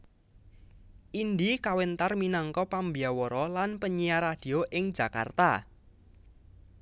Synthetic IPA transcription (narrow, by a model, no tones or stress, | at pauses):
ʔind̪ikawent̪arminɔŋkɔpambiawɔɾɔlanpəɲijaɾad̥i̤oʔɪŋd͡ʒ̥a̤ka̰rt̪a̰